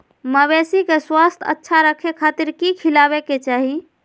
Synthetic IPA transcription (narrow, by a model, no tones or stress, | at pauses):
məbesikeswast̪ʰə̰tːʃʰaɾəkʰekʰat̪iɾkikʰilabeket͡ʃaɦi